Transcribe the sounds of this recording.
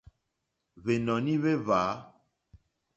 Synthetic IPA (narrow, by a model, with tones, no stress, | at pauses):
βe˨nɔ̃˨nĩ˦βe˦vaː˨˦